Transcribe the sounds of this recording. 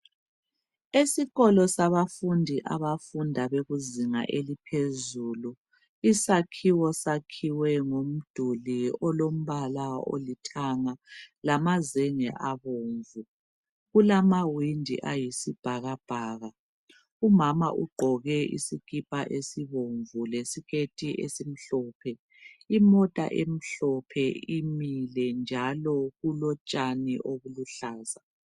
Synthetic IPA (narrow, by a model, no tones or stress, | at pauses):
esiɣɔlɔsaβafundʱiʔaβafundʱaβeɣuziŋa̰ʔelipʰezulu | isakʰiwɔsakʰiwɛŋom̩d̥ʱuliɔlom̩βalao̰litʰaŋalamazɛŋɛ̰ʔaβoːɱvu | ɣulamawindʱḭʔajisib̥ʱaɣab̥ʱaːɣa | umama̰ʔuɡ͡ǃʱɔɣɛʔḭsikʼipʼaʔesiβoɱvulesikʰetʼiʔesim̩ɬɔːpʰɛ | imɔtʼa̰ʔem̩ɬɔpʰɛimilɛnd͡ʒʱalɔɣulɔt͡ʃʼanḭʔoɣuluɬaːza